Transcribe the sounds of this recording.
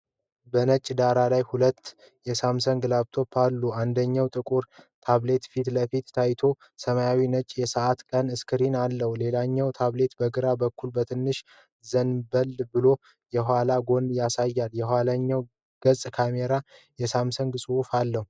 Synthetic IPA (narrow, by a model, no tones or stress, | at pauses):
bənət͡ʃʼd̪aɾalajhulət̪ː | jɛsamsəŋɡlaβt̪ʰo̞pʰːalːuand̪əɲːawt̪ʼɨkʼuɾt̪ʰaβle̞t̪fit̪ləfit̪t̪ʰajt̪ʰo̞ | səmajawinət͡ʃʼjɛsəʔat̪kʼənɨskɨɾinalːəhule̞laɲːɛwt̪ʰaβle̞t̪bəɡɨɾabəkːulbət̪ʰɨnːɨʃ | zənbəld̪bɨlo̞ | jɛɦʷalaɡo̞njasajːaljɛɦʷalaɲːaw | ɡ̥əsʼkʰameɾa | jɛsamsəŋɡsʼuufalːəhu